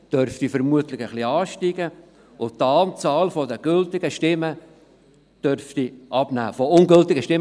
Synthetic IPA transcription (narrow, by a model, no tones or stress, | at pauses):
d̥œɾftifəɾmuətlɪχəχliɑːʃtiɡə | ʊtːɑːmt͡sɑːlfɔdəɡ̥ʏltɪɡəʃtɪmə | d̥œɾftiʔɑb̥næ̰ːfɔʊnɡɵltɪɡəʃtɪm